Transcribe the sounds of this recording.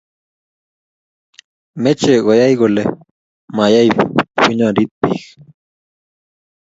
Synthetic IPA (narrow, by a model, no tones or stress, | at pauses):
met͡ʃeɢojajɢole | majajpʰʊɲaɾɪt̪ːɪx